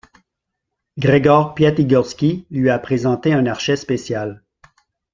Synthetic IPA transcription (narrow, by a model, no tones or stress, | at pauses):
ɡʁeɡɔʁpjat̪iɡɔʁskʲilɥiapχezɑ̃t̪eɛ̃naʁʃɛspesjal